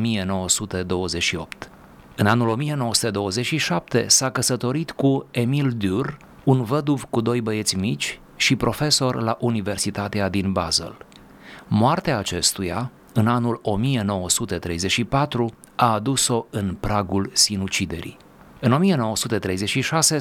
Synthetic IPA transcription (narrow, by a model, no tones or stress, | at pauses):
mije̞no̞wəsut̪e̞d̪o̞wəze̞ʃio̞̰pt̪ | ɨnanulo̞mije̞no̞wəsu̥t̪e̞d̪o̞wəze̞t͡ʃʃiʃap̚t̪e̞̰sakəsət̪o̞ɾit̪kue̞mild̪ur | unvəd̪uvkud̪o̞jbəje̞t̪sʲmit͡ʃʲ | ʃipɾo̞fe̞so̞rlaʔunive̞rsit̪at̪ead̪inbazḛl | moart̪eaːt͡ʃe̞st̪uja | ɨnanulo̞mije̞no̞wəsut̪e̞t̪ɾe̞jzet͡ʃʃipat̪ɾu | aːd̪uso̞ɨnpɾaɡulsinut͡ʃid̪e̞̰ɾḭ | ɨno̞mije̞no̞wəsut̪e̞t̪ɾe̞jze̞t͡ʃʃiʃase̞